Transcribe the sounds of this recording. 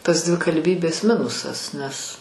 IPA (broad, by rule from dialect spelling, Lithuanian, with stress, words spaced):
tɐs dʲʋʲɪkɐlʲˈbʲiːbʲeːs ˈmʲɪnʊsɐs nʲɛs